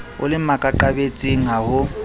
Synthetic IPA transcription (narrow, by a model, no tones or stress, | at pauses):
ʊ̰lɪmakʼaǃabet͡sʼiŋ̩ɦahʊ